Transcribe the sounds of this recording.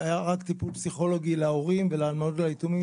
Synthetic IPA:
ajaʁakt̪ipulpsiχo̞lo̞ɡilaoʁimveleːlmodlait̪umi

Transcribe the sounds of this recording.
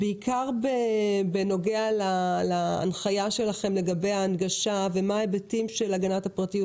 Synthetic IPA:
beikʰaʁbebeno̞ɡealala̰ːnχajaʃe̞laχe̞mle̞ɡabe̞jaːnɡaʃavemaebetimʃelaɡanatapʁatiju

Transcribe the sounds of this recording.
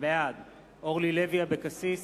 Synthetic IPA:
mead̪ | ʔoʁlileviabekasis

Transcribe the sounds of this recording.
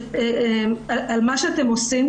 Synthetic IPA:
eemaʔalmaʃeat̪emosim

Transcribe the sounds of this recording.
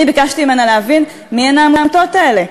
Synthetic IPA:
ibikaʃtiimenaleɦavin | mienaːmaːmt̪ot̪kaele̞

